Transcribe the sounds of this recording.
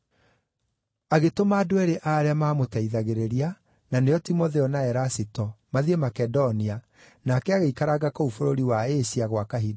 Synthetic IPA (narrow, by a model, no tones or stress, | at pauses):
aɣetomaːdoɛɾeʔaːɾeamaːmotaiðaɣeɾeɾia | nanejɔtimoðeɔnaɛɾasitɔmaðiemakɛdɔnia | nakɛaɣeikaɾaɡakɔufoɾoɾiwaeɕiaɣwakaɦida